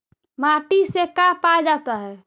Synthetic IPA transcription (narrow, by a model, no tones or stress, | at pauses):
maʈisekapad͡ʒat̪aɦɛ